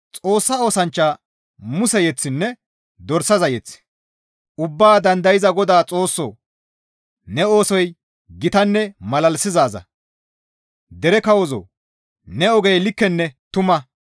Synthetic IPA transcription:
t͡sʼo̞ːsːao̞ːsɐnt͡ʃːaː | mʊsɛjɛt͡sːɪnːɛ | d̪ɔɾsɐzɐjɛt͡sː | ʊbːaːd̪ɐnd̪ɐjɪzɐɡɔd̪aːt͡sʼo̞ːsːo̰ː | nɛo̞ːsɔj | ɡɪt̪ɐnːɛmɐlɐlsɪzaːzɐ̰ | d̪ɛɾɛkɐwɔzo̰ː | nɛɔɡɛjlɪkːɛnːɛt̪ʊmɐ

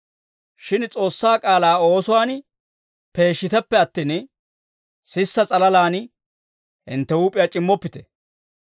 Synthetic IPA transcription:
ʃɪnt͡sʼo̞ːsːaːkʼaːlaːo̞ːsʊwaːn | pe̞ːʃːɪt̪ɛpːɛɐt̪ːiːn | sɪsːɐt͡sʼɐlɐlaːn | ʔɪ̰nt̪ːɛuːpʼɪjat͡ʃʼɪmːɔpːɪt̪ɛ̥̰

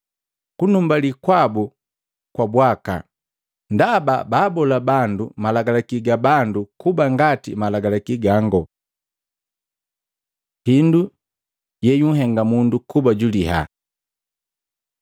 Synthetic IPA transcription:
kunumbalikwabu | kwabwaka̰ | ndababaːbɔlabandumalaɡalakiɡabandukubaŋɡatḭmalaɡalakiɡaŋɡɔ | hindu | jɛjuŋ̩ɦɛŋɡamundukubaɟuliɦa̰

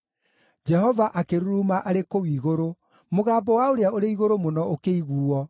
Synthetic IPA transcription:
d͡ʒɛɦɔvaʔakeɾuɾuːmaʔaɾekowiːɣoɾo | moɣaːbɔwaoɾeaoɾeiɣoɾomonɔokeiɣuːɔ

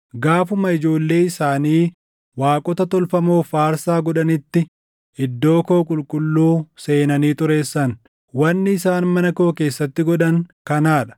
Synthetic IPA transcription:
ɡaːfʊmɐɪd͡ʒo̞ːlːe̞ːɪsaːniː | waːkʼɔt̪ɐt̪ɔlfɐmo̞ːfaːɾsaːɡɔᶑɐnɪt̪ːɪ | ɪd̪ːo̞ːko̞ːkʼʊlkʼʊlːuːseːnɐniːt̪ʼʊɾe̞ːsːɐn | wɐnːɪɪsaːnmɐnɐko̞ːke̞ːsːɐt̪ːɪɡɔᶑɐŋkɐnaːᶑɐ̥

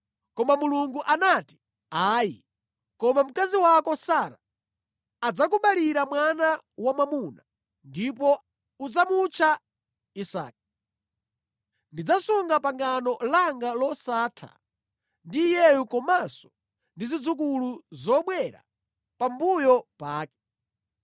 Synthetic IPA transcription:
kɔmamuluŋɡuʔanati̥ | aːji | kɔmam̩kaziwakɔsaːɾaː | d͡zak̬uɓaliɾamwanawamamuna | ndipɔ | ud͡zamut͡ʃʰa | isa̰ːk̚i | ndid͡zasuŋɡapaŋɡanɔlaŋɡalɔsaːtʰa̰ | ndijɛjukɔmasɔ̥ | ndizid͡zuk̬uluzɔɓwɛɾa̰ | pambujɔpaːkɛ̥

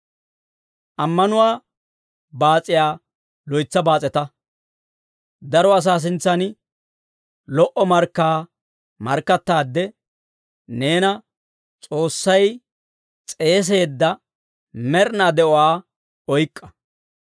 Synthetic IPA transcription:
ʔɐmːɐnʊwaː | baːt͡sʼɪjaː | lɔjt͡sːɐbaːt͡sʼɛt̪ɐ | d̪ɐɾɔɐs̬aːs̬ɪnt͡sːɐn | lɔʔɔmɐɾkːaː | mɐɾkːɐt̪ːaːd̪ːɛ | ne̞ːnɐ | t͡sʼo̞ːsːɐj | t͡sʼe̞ːs̬e̞ːd̪ːɐ | mɛɾnaːd̪ɛʔɔwaː | ɔjkʼːɐ̥

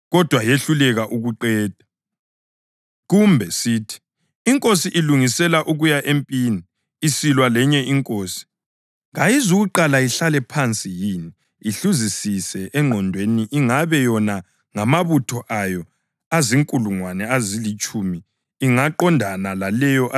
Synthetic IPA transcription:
ɣɔd̥ʱwajeɬulɛɣaʔuɣuǃɛːd̥ʱa | ɣumbʱɛsiːtʰi̥ | iŋkʼosiʔiluŋisɛlaʔuɣujaʔempʼiːniː | silwalɛɲɛiŋkʼoːsi̥ | ŋajizuɣuǃalaiɬalɛpʰant͡sʼijiːni | iɬuzisisɛʔɛŋ͡ǃʱɔndʱweniʔiŋaβɛjɔna | ŋamaβutʰɔʔajɔ | aziŋkʼuluŋwanɛazilit͡ʃʼumiː | ŋaǃɔndʱanalalɛjɔʔa

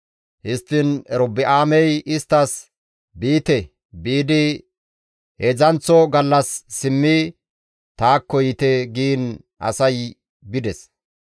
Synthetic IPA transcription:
hɪst̪ːɪnɛɾɔbɪʔaːmɛjɪst̪ːɐs | biːt̪ɛ | biːd̪ɪ | hezɐnt͡sɔɡɐlːɐsːɪmːi | t̪aːkːɔjɪt̪ɛɡiːn | ʔɐ̰sɐj | bɪd̪ɛs

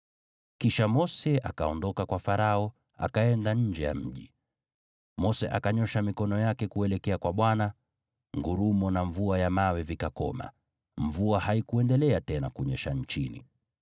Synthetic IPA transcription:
kiʃamɔsɛa̰kaɔndɔkakwafaɾaɔ | a̰kaɛndaɲ̩d͡ʒɛja̰m̩ʄi | mɔsɛʔa̰kaɲɔʃamikɔnɔjakɛkuɛlɛkɛakwaɓwana | ŋɡuɾumɔnaɱvuajamawɛvikakɔ̰ma̰ | mvuahaikuɛndɛlɛatɛnakuɲɛʃaɲt͡ʃinḭ

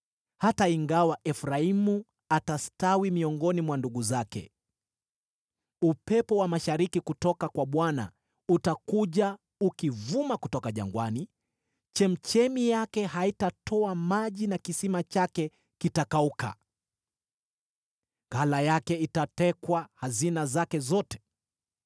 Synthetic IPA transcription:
hataiŋɡawaʔɛfɾaimu | atastawimiɔŋɡɔnimwanduɡuzakɛ̰ | upɛpɔwamaʃaɾikikutɔkakwaɓwana̰ | utakuʄa | ukivumakutɔkaʄa̰ŋɡwani | t͡ʃɛm̩t͡ʃɛmijakɛhaitatʰɔamaʄinakisimat͡ʃakɛ | kitakauka̰ | ŋɡalajakɛitatɛkwahazinazakɛzɔtɛ̥

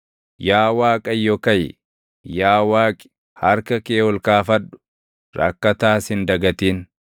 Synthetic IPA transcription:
jaːwaːkʼɐjːɔkɐj | jaːwaːkʼɪ̥ | hɐɾkɐkeːɔlkaːfɐᶑʊ̥ | ɾɐ̰kːɐt̪aːshɪnd̪ɐɡɐt̪iːn

